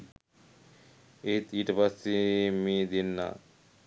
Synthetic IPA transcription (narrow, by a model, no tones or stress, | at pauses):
et̪iʈbasimid̪inːa̰